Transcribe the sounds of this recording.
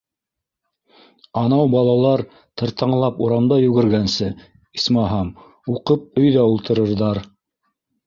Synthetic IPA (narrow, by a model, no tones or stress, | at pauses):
ɑnɑwbɑlˠɑlˠɑɾ | t̪ɤ̆ɾt̪ɑɴlˠɑpuɾɑmd̪ɑjʉɡɘ̆ɾɡænsɘ | ismɑɦɑm | uqɤp̚ɵ̆jðæulˠt̪ʰɤ̆ɾɤ̆ɾðɑɾ